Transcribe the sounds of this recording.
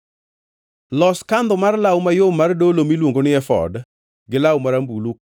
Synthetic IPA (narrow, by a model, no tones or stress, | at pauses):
lɔskand̪ɔmarlawmajomardolomilwoŋɡonɪɛfɔ̰d | ɡɪlawmaɾambuluk̚